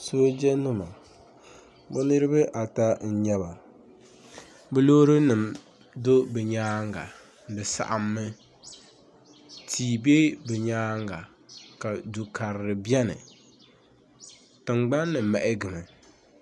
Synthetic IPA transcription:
soː˦d͡ʒɛ˦nʊ˦ma˨ | bʊ˦nɨ˦ɾɨ˦bɨ˦ʔa˨ta˦n̩˦˨ɲɛ˦ba˨ | bɨ˦lo˦ɾɨ˦nɨ˨m | do˦bɛ˨ɲaː˦ŋɡa̰˨ | dɨ˨sa̰˨ʔa˨mːɨ˦ | tʰiː˨be˦bɛ˨ɲaː˦ŋɡa˨ | ka˨du˨ka˨ɾɪ˨ɾɨ˨bjɛ˦nɨ̰˨ | tɨ˨ŋ͡mɡ͡ba˦nːɨ˨mɛ˨ʔɪ˦ɡɨ˨mɨ˨

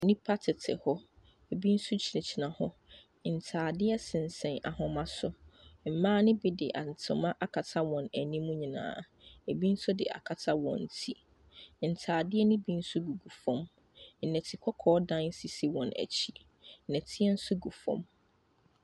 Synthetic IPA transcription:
nĩ˦pʰa˦tʰɪ˨tʰɪ̰˨hɔ˦ | e˨bi˦n̩˦sʊ˦t͡ɕʰi˨nɛ̃˨t͡ɕʰi˨nã˨hɔ˦ | n̩˨tʰaː˨dɪ˦ɛ˦sɪ̃˨n˨sɛ̃˨na̰˨hʊ̃˨mã˦sʊ˦m̩˨mãː˦nɪ̃˦bi˦dɪ˨ʔa˨n˨tʰʊ̃˨mã˦ʔa˨kʰa˨tʰa˦wɔ̃˨næ˨nĩ˦mũ˦ɲĩ˨nã̰ː˨ | e˨bi˦n̩˦sʊ˦dɪ̰˨ʔa̰˨kʰa˨tʰa˦wɔ̰̃˨n̩˨tʰi˦ | n̩˨tʰaː˨dɪ˦ɛ˦nĩ˦bi˦n̩˦sʊ˦ɡu˨ɡu˨fɔ̃˦m | n̩˨nɛ̃˨tʰi˨kʷʰɔ˦kʰɔː˦dã˦n˦si˨si˦wɔ̃˨næ̰˨t͡ɕʰi˦ | n̩˨ɛ̃˨tʰɪ˦ɛ˦n̩˦su˦ɡu˨fɔ̰̃˨m

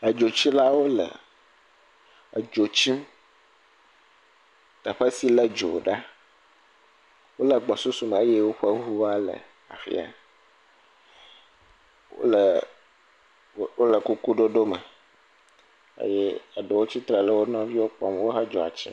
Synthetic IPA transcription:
ə˨d͡ʒo˨t͡ɕi˦la˦wo˦lə̰˨ | ə˨d͡ʒo˨t͡ɕi˦m | t̪ə˨ɸə˦si˦lə˦d͡ʒo̰˨ɖa˦ | wo˦lə˨ɡ͡bɔ˨su˦su˦m˨e˦je˦wo˦ɸə˦ɦu˦wa˦lə̰˨ | a̰˨fḭ˦a̰˨ | wo̰˦lə˨ | wo˦lə˨ku˦ku˦ɖo˦ɖo˦mə̰˨ | ə̰˦je˦ə˨ɖe˨wo˦t͡ɕi˦t̪ɾɛ˨lə˦wo˦nɔ̃˦vi˦wo˦k͡pɔ̰˦mwo˦ɦə˦d͡ʒɔ˨a̰˨t͡ɕḭ˦

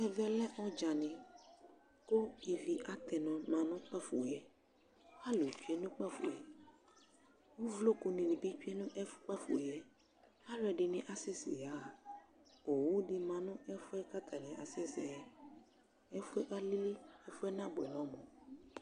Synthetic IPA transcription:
ɛ˨vɛ˦lɛ˦ʔɔ˦d͡ʒa˨nĩ˨ | ko˦i˨vi˨ʔa˦t̪ɛ˨nɔ̃˨mã˨nʊ̃˦k͡pɛ˦fṵ˨ɛ˨ | a˦lo˨t͡ʃu˦ɛ˦nũ˦k͡pɛ˦fṵ˨ɛ˨ | wo˦vlo˦ko˨nĩ˨ni˨bi˦t͡ʃu˦ɛ˦nũ˦ʔɛ˦fu̥˦k͡pɛ˦fṵ˨ɛ˦ | a˦lɛ˨ɖɪ˨nĩ˨ʔa˨sɛ˦sḭ˨ja˨˦˨ | o˨wu˦ɖi˦mã˨nũ˦ɛ˦fu˦ɛ˦ka˦t̪ʰa˨nɛ̃˨ʔa˨sɛ˦sɛ˨ɛ˨ | ɛ˦fu˦ɛ˦ʔa˦li˦li˦ɛ˦fu˦ɛ˦nã˦bɛ˨nɔ̃˨˦mɔ̃˨

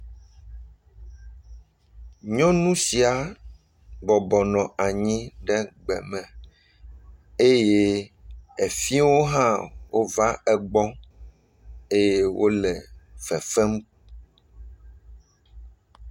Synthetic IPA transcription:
ɲɔ̃˦nũ˦si˨a˨ | bɔ˨bɔ˨nɔ̃˨a˨ɲĩ˦ɖɛ˦ɡ͡bɛ̰˨mɛ̃˨ | e˦je˦ | e˨fi˦wo˦ɦã˦wo˦va˦ɛ˨ɡ͡bɔ˦ | e˦je˦wʔo˦lɛ˨fɛ˨fɛ˦m˦

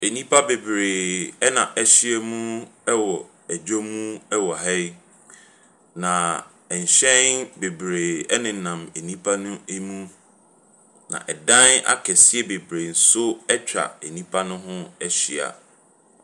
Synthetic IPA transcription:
e˨nĩ˦pʰa˦be˨bɾe˨ɛ˦nã˨ʔɛ˦ɕi˦ɛ˦mũ˦ɛ˦wɔ˨ | æ˨d͡ʑo˦mũ˦ɛ˦wɔ˨ɦɛ˦j | nã˨ | ɛ˨ɲ˨ɕɛ̃˦nbe˨bɾeː˨ɛ˦nɪ̃˨nã˨me˨nĩ˦pʰa˦nʊ̃˦e˦mũ˦ | nã̰˨ʔɛ˨dã˦na̰˦kʰɛ˨sɪ˦ɛ˦be˨bɾe˨n̩˨sʊ˦ɛ˦t͡ɕᶣɾa̰˨e˨nĩ˦pʰa˦nʊ̃˦ɦʊ̃˦ɛ˦ɕi˨a̰˨

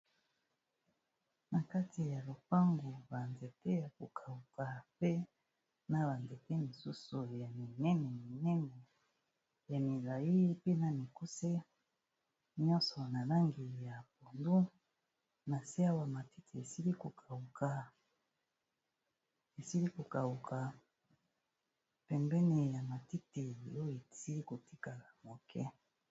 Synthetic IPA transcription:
na˨ka˦ti˨ja˨lo˨pa˦ŋɡu˨ba˨nze˨te˦ja˨ko˨kʰa˨u˨ka˨pe˦ | na˨βa˨nze˨te˦mi˨su˦su˨ja˨mi˨nɛ˦nɛ˨mi˨nɛ˦nɛ˨ | ja˨mi˨la˨ji˦pe˦na˨mi˨ku˦se˦ | ɲɔ̃˦sɔ˨na˨la˦ŋɡi˨ja˨po˨ndu˦ | na˨si˦a˦wa˨ma˨ti˦tʰi˨e˨si˦li˦ko˨kʰa˨u˨kʰa˨ | e˨si˦li˦ko˨ka˨u˨kʰa˨ | pɛ˨mbɛ˦ni˨ja˨ma˨ti˦ti˨o˦o˦˨e˨si˦li˦ko˨ti˦ka˨la˨mo˨kʰɛ˦

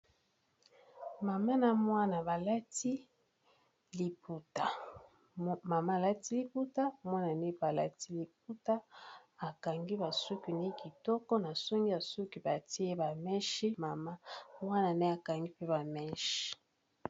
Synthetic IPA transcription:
ma˨ma˦na˨mwa˦na˨ba˨la˦ti˦ | li˨pu˨ta˨ | ma˨ma˦˨la˦ti˦li˨pu˦ta˦˨mwa˦na˨ne˦ba˨la˦ti˦li˨p̚u˦ta˦a˨ka˨ŋɡi˦ba˨su˦ki˨ne˦ki˨tɔ˦kɔ˦na˨so˦ŋɡi˦ja˨su˦ki˨ba˨ti˦e˦ba˨mɛ˦ʃi˦ma˨ma˦mwa˦na˨ne˦a˨ka˨ŋɡi˦pe˦ba˨mɛ˦ʃi̥˨

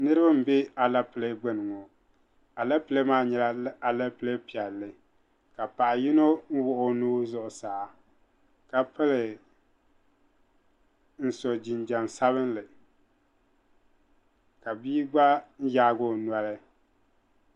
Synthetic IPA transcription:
nɨ˦ɾɨ˦ba˦m̩˨bɪ˦a˨la˦pɨ˨le˦ɡ͡bɛ˦nɨ˨ŋo˨ | a˨la˦pɨ˨le˦maː˦ɲɛ˨la˦a˨la˦pɨ˨le˦pi˨ɛ˨lːɨ˨ | ka˨pa˨ʔji˦no˦n̩˦wʊ˦ʔʊ˦nuː˦zʊ˦ʔʊ˨saː˨˦ | ka˨pɨ˦lɨ˨ | n̩˦so˨d͡ʒi˨nd͡ʒa˨nsa˦βɨ˦nlɨ˨ | ka˨biː˦ɡ͡ba˦n̩˦jaː˦ɡo˦nwa˦lɨ˦

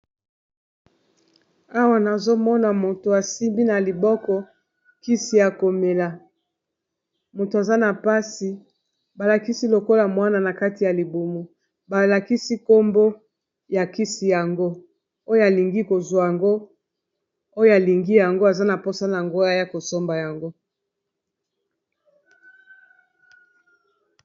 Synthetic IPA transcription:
a˦wa˨na˨zo˦mɔ˦na˨mo˨to˨a˨si˦mbi˦na˨li˨bɔ˦kɔ˨ | ki˦si˨ja˨ko˨me˨la˨ | mo˨to˨a˨za˦na˨pa˦si˨ | ba˨la˨ki˦si˦lo˨ko˦la˨mwa˦na˨na˨ka˦ti˨ja˨li˨bu˨mu˨ | ba˨la˨ki˦si˦ko˦mbo˦ | ja˨ki˦si˨ja˨ŋɡo˦ | o˦jo˦a˨li˨ŋɡi˦ko˨zwa˨ja˨ŋɡo˦ | o˦jo˦a˨li˨ŋɡi˦ja˨ŋɡo˦a˨za˦na˨po˦sa˦na˨a˨ŋɡo˦a˨ja˦ko˨so˦mba˨ja˨ŋɡo˦

